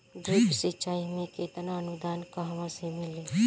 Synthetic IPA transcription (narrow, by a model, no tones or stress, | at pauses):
ɡɾɪpsɪt͡ʃaːimẽket̪naənʊd̪aːnkəɦʋãsemɪle